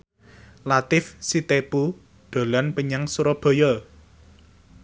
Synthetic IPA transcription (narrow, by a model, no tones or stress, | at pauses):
lat̪ɪfsit̪epu | ɖ̪̥o̤lanpəɲaŋsuɾɔb̥ɔ̤jɔ